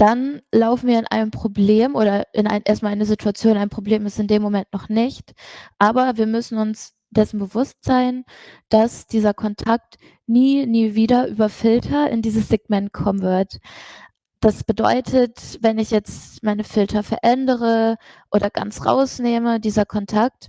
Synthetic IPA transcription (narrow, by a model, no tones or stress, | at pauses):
d̥anlaʊfn̩viːɐɪnʔa̰ɪnəmpʁ̥obleːmʔoːɾɐʔɪnʔa̰ɪnʔeːɐst̚malʔaɪnəzitʰuat͡sjoːnaɪəmpʁ̥obleːmɪstɪndeːmːomɛntnɔχnɪçtʔaːbɐviːɐmʏsn̩ʊns | d̥ɛsn̩bəvʊstz̥aɪnd̥asd̥iːzɐkʰɔntʰak̚t | niːniːviːdɐʔyːbɐfɪltʰɐʔɪ̰ndiːzəsz̥eɡ̚mɛnt̚kʰɔmənvɪɐt | d̥asb̥ədɔ̰ʏtʰətvɛnɪçjɛt͡stmaɪnəfɪltʰɐfɛɐʔɛndəʁəʔoːɾɐɡ̥a̰nt͡sʁa̰ʊsneːmədiːzɐkʰɔntʰak̚t